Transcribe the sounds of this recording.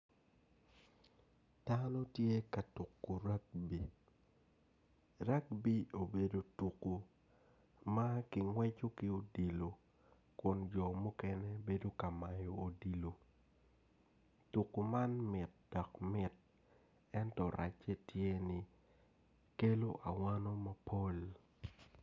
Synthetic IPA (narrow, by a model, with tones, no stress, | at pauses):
ta˦no˦tje˦ka˨tu˨kːu˨ɾa˦k̚bi˨ | ɾa˦kbi˦o˨be˨do˨tu˨kːu˨ | ma˦kɪ˨ŋwɛ˦t͡ʃo˦kɪ˦o˦di˨lo˨ | kʊ˨nd͡ʒɔ˨mu˦kɛ˦nɛ˦be˦do˦ka˨ma˨jo˨o˨di˨lo˨ | tu˨kːu˨ma˦nmɪ˨t̚d̥ɔ˨kmɪ˦t̚ | ɛ˦ntɔ˨ɾʔa̰˨t͡ʃɛ˦tʰje˦nɪ˨ | ke˦lo˦ʔa˨wa˦no˦ma˨pʰo˦l